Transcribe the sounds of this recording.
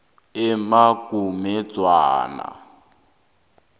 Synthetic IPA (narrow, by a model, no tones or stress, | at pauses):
ɛmakumɛd͡zwa̰ːna̰